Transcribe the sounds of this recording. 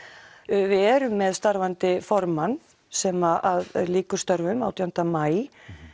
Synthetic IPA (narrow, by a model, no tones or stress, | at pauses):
vɪɛɾʏmːɛðst̪aɾvant̪ɪfɔɾman | sɛːmaʔaðliːkʏ̥st̪œɾvʏma̰wt̪ʰijawn̥t̪amaːj